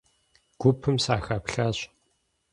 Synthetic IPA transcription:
ɡ̥ʷʊpʰːɨmsaːxaːpɬaːɕ

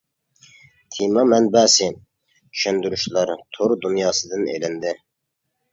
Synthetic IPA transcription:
t̪ʰimɑmɛnbæːsɪ | t͡ʃʰy̥ʃɛnd̪yɾyʃlˠɑɾt̪ʰoɾd̪unjɑːsɨd̪ɨnḛlɪnd̪ɪ

